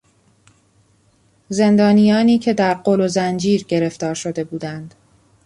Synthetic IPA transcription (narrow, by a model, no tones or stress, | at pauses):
ze̞nd̪ɒːnijɒːniːcʰe̞d̪æɾɢolozænd͡ʒiːɾɟe̞ɾe̞ft̪ɒːɾʃo̞d̪e̞buːd̪ænd̪̥